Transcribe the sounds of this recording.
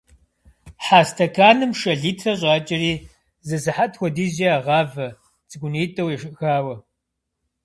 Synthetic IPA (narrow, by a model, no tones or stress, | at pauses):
ħaːstʰɐkʰaːnɨmʃɐɮiːtʰrɐɕ̬ʼɑːt͡ʃʼɪɾiː | zɨsɨħatʰxʷɔdiːʑiaːʁɑːvɐ | t͡sʼɨɡʷʊniːtʼɐwɛʂɨʔxaːwɐ